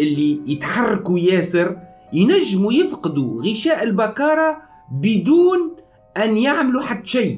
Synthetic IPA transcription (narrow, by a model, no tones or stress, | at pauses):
ʔɪlːijɪt̪ħɑrˤːɑkujaːsɪɾ | jnæʒːɪmujɪfqɑd̪uɣɪʃæːʔɪlbakɑːɾˤɑ | bɪd̪uːn | ʔanjaʕmluħad̪ːʃaː